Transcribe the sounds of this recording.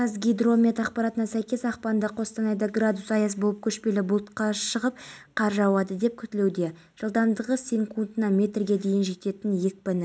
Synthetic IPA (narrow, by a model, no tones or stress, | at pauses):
qɑzɡʲijd̪romʲet̪ɑqpɑɾɑt̪ənɑsæjkʲe̞sɑqpɑnd̪ɑqʰo̞st̪ɑnɑjd̪ɑɡrad̪usɑjɑsbo̞lˠəp̚kʲʰɵʃpe̞lɪbʊlˠt̪qɑʃəʁəp̚qʰɑɾʒɑwɑd̪əd̪e̞p̚kʲʰʏt̪ɪle̞wd̪e̞ | ʒ̥əlˠd̪ɑmd̪əʁəsʲeŋkunt̪nɑmʲe̞t̪rɡʲe̞d̪e̞jɪnʒe̞t̪e̞t̪ɪnje̞k̚ʲpɪnɪ